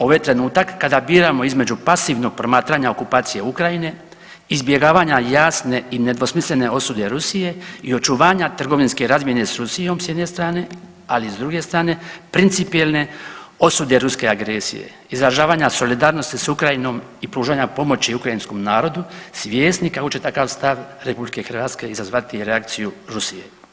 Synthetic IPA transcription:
o̞ʋajt̪ɾe̞nuːt̪akːad̪abiːɾamo̞izme̞d͡ʑupasiʋno̞ɡ̥̚pɾo̞maːt̪ɾaɲao̞kupaːt̪sije̞ukɾajine̞ | izbje̞ɡaːʋaɲajaːsne̞ine̞d̪ʋo̞smislʲe̞ne̞o̞sud̪e̞ɾusije̞io̞t͡ʃuʋaːɲat̪r̩ɡo̞ʋinske̞ɾazmje̞ne̞sɾusijo̞msjed̪ne̞st̪ɾaːne̞ | alizd̪ɾuɡe̞st̪ɾaːne̞pɾint̪sipijelˠne̞o̞sud̪e̞ɾuske̞aɡɾesḭjḛ | izɾaʒaːʋaːɲaso̞lid̪aːɾno̞st̪isukɾajino̞mipɾuːʒaɲapo̞mo̞t͡ɕiukɾainsko̞mnaːɾo̞d̪usʋʲjeːst̪nikako̞t͡ɕe̞t̪akaʋst̪aʋɾe̞publike̞xɾr̩ʋaːt̪ske̞izazʋat̪iɾeak̚t̪sijuɾusije̞̰

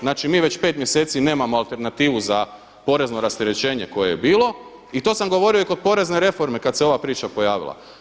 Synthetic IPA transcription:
znaːt͡ʃimiːʋe̞t͡ɕpe̞t̪mje̞seːt̪sine̞ːmamoalˠt̪e̞ɾnat̪iːʋuza | po̞ɾe̞zno̞ɾast̪eɾe̞t͡ɕe̞ːɲe̞ko̞jejebiːlˠo̞ | it̪o̞ːsamɡo̞ʋo̞ɾio̞ikopo̞ɾe̞zne̞ɾe̞fo̞ɾmekad̪seo̞ʋapɾiːt͡ʃapo̞jaːʋḭlˠa̰

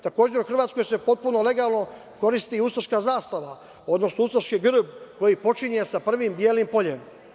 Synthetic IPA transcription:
t̪ako̞ːd͡ʑe̞ɾuxr̩ʋaːt̪sko̞jse̞po̞t̪̚puno̞le̞ɡaːlˠno̞ | ko̞ɾist̪iusoʃkaːzaːst̪aʋa | o̞d̪no̞snousoʃkiɡr̩bko̞jipo̞t͡ʃiɲe̞sapr̩ʋimbjeːlimpo̞ʎe̞m

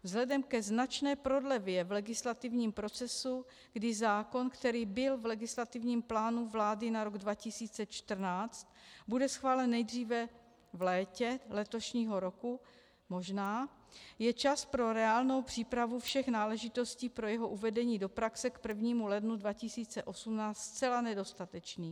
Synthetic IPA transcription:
vzɦlɛdɛmkɛznat͡ʃnɛːpɾo̞dlɛvjɛvlɛɡɪslat̪ɪvɲiːmpɾo̞t͡sɛsu | ɡ̥dɪzaːko̞nkt̪ɛɾiːbɪlvlɛɡɪslat̪ɪvɲiːmplaːnuvlaːdɪnaɾo̞ɡdvacɪsiːt͡sɛt͡ʃt̪r̩naːt͡st̪̚budɛsxvaːlɛnːɛjd̪r̝iːvɛ | vlɛːcɛlɛt̪o̞ʃɲiːɦo̞ɾo̞ku | mo̞ʒnaː | jɛt͡ʃaspɾo̞ɾɛaːlno̞wpr̥iːpɾavufʃɛxnaːlɛʒɪt̪o̞sciːpɾo̞jɛɦo̞ʔuvɛdɛɲiːdo̞pɾaksɛkpr̩vɲiːmulɛdnudvacɪsiːt͡sɛʔo̞sumnaːt͡st͡sɛlanɛdo̞st̪at̪ɛt͡ʃniː

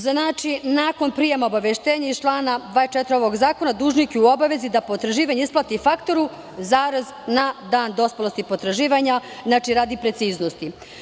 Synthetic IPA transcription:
znaːt͡ʃinaːko̞npɾijemaobaʋeʃt̪eːɲait͡ʃlˠaːnad̪ʋaːet͡ʃɛt̪ɾeo̞ʋo̞ɡzaːko̞nad̪uːʒnikeuo̞baʋe̞zid̪apot̪ɾaʒiːʋaɲeisplˠat̪ifakt̪o̞ɾu | zaːɾaznad̪aːnd̪o̞spolost̪ipot̪ɾaʒiːʋaɲaznaːt͡ʃiɾaːd̪ipɾe̞t̪siːznost̪i

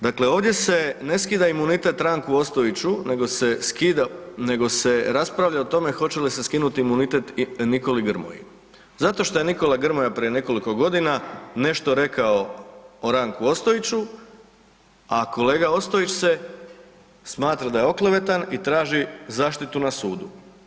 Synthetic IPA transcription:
d̪akle̞o̞ːʋd̪ʲje̞se̞ne̞skid̪aimunit̪e̞t̪ɾaŋkuo̞st̪oit͡ɕuneɡo̞seskid̪ane̞ɡo̞se̞ɾaspɾaʋʎaot̪o̞me̞xo̞t͡ɕe̞lise̞skinut̪iimunit̪e̞t̪niko̞liɡr̩mo̰jḭ | zat̪o̞ʃt̪o̞je̞niko̞laɡr̩mojapɾie̞ne̞ko̞liko̞ɡo̞d̪inane̞ʃt̪o̞ɾe̞kaooɾaŋkuo̞st̪oit͡ɕu | ako̞leːɡao̞st̪o̞it͡ɕse̞ | smaːt̪ɾad̪ajeo̞kleʋe̞t̪anit̪ɾaːʒizaːʃt̪it̪unasuːd̪u

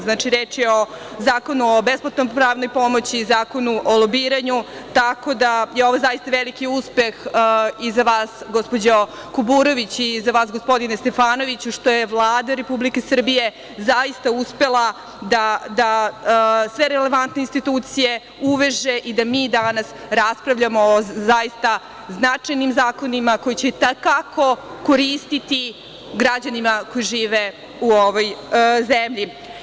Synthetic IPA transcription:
znaːt͡ʃiɾeːt͡ʃjeozaːko̞nuobesplˠat̪nompɾaːʋno̞jpo̞mo̞t͡ɕizaːko̞nuʔolˠobiːɾaɲut̪ako̞d̪ajeo̞ʋozajist̪aʋelikiuspe̞xizaʋaːsɡospo̞d͡ʑo | kubuːɾo̞ʋit͡ɕizaʋaːsɡospo̞d̪inest̪e̞faːno̞ʋit͡ɕuʂt̪o̞jeʋlˠaːd̪aɾe̞publike̞sr̩bije̞ | zaist̪auspe̞lˠa | d̪ad̪a | sʋe̞ɾele̞ʋant̪neinst̪it̪uːt̪sije̞ | uʋe̞ʒe̞ʔid̪amiːd̪anas | ɾaspɾaʋʎamoːzajist̪a | znat͡ʂajnimzaːko̞nimako̞jit͡ɕet̪akako̞ko̞ɾiːst̪it̪i | ɡɾad͡ʑanimako̞jiʒiːʋe | uoʋojzemʎi

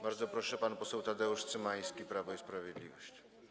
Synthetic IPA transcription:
baɾd̪zɔpɾɔʂɛpanpɔsɛwt̪ad̪ɛuʂt̪sɘmaj̃skʲipɾavɔispɾavʲjɛd̪lʲivɔɕt͡ɕ

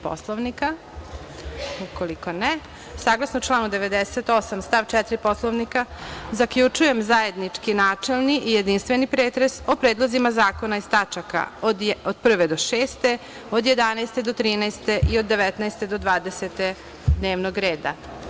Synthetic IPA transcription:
po̰slˠoʋnika | ukoliko̞ne | saːɡlˠasnout͡ʃlˠaːnud̪e̞ʋe̞d̪eset̪o̞samst̪aʋt͡ʃɛt̪ɾipo̞slˠoʋnikazakʎut͡ʂuje̞mzaje̞d̪nit͡ʂkinaːt͡ʃe̞lniʔije̞d̪inst̪ʋenipɾeːt̪ɾeso̞pɾeːd̪lˠozimazaːko̞naist̪at͡ʃaka̰od̪od̪̚pr̩ʋed̪oʃeːst̪e̞ | o̞d̪je̞d̪anajst̪e̞d̪ot̪ɾiːnajst̪e̞ʔio̞d̪ːe̞ʋɛt̪naest̪e̞d̪o̞d̪ʋaːd̪eset̪e | d̪ne̞ːʋnoɡɾe̞ːd̪a̰

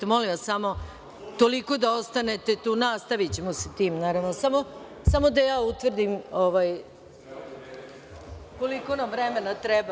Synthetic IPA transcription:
molimʋassamo̞ | t̪oliko̞d̪aost̪anet̪e̞t̪uːnaːst̪aʋit͡ɕemoset̪iːmnaːɾaʋnosamo | samo̞d̪ajaːut̪ʋr̩d̪imoʋaj | ko̞liko̞namvɾɛmenat̪ɾɛba

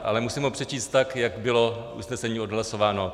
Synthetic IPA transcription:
ʔa̰lɛmusiːmupr̥ɛt͡ʃiːst̪t̪ːakjakbɪlo̞ʔṵsnɛsɛɲiːodɦlasovaːno̞

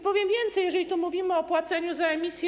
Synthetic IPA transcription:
pɔvʲjɛmvʲjɛnt̪sɛjɛʐɛlʲit̪umuvʲimɘɔpwat̪sɛɲuzaɛmʲisʲj

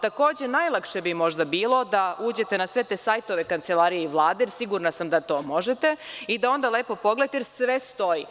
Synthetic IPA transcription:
t̪ako̞ːd͡ʑe̞najlˠakʃebimo̞ʒd̪abiːlˠo̞d̪auːd͡ʑe̞t̪e̞nasʋe̞t̪esajt̪o̞ʋe̞kant̪selaɾijeiʋlˠaːd̪ejɾsiɡuɾnasamd̪at̪o̞ːmo̞ʒet̪eid̪ao̞nd̪aleːpo̞po̞ɡlet̪eɾsʋest̪o̞ji

